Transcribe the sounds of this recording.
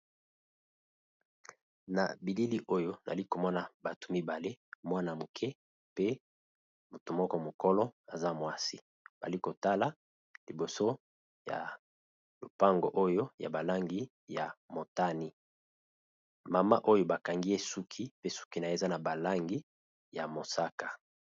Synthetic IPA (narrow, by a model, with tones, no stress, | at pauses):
na̰˨bi˨li˦li˦ʔo˦jo˦na̰˨i˦ko˨mɔ˦na˨ba˨to̥˨mi˦ba˨le˦mwa˦na˨mo˨kʰɛ˦ | pe˦ | mo˨to˨mɔ˦kɔ˦mo˨kɔ˦lɔ˦a˨za˦mwa˦si˦ | b̥a̰˨li˦ko˨ta˦la˨ | li˨bo˨so˦ | ja̰˨ | lo̰˨pa˦ŋɡo̰˨ʔo˦jo˦ja̰˨ba˨la˦ŋɡi˦ | ja̰˨mo˨ta˦ni˦ | ma˨ma̰˦ʔo˦jo˦ba˨ka˨ŋɡi˦e˦su˦kʰi˦pe˦su̥˦ki˦na˨e˦˨za˦na˨ba˨la˦ŋɡi˦ | ja˨mo˨sa˦ka˨